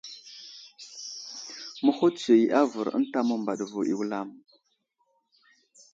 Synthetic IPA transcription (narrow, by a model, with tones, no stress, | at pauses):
mə˦xo˦tt͡se˨˦ʔa˦və˨ɾə̰˦n˦ta˦mə˦mba˨ɗvu˨ḭ˨wla˦˨m